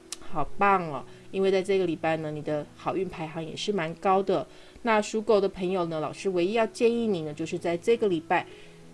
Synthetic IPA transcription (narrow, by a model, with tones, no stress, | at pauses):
xɑ˨˩ʊpɑ˥˩ŋə̰˩i˥nwe˥˧ɪt͡sa˥˧ɪʈ͡ʂɤ˥˩ɡə˩li˨˩pa˥˩ɪnə˩ni˨˩d̪ə˦xɑ˨˩ʊy˥˩npʰa˧˥ɪxɑ˧˥ŋjɛ̰˨˩ʂɻ̩˥˩ma˧˥nkɑ˥ʊd̪ə˨ | na˥˩ʂu˧˥ko˨˩ʊd̪ə˦pʰɤ˧˥ŋjo˨˩ʊnə˦lɑ˨˩ʊʂɻ̩˥we˧˥ɪi˥jɑ˥˧ʊt͡ɕjɛ˥˧ni˥˩ni˨˩nə˩˦t͡ɕjo˧ʊʂɻ̩˥˧t͡sa˥˧ɪʈ͡ʂɤ˥˩ɡə˩li˨˩pa˥˩ɪ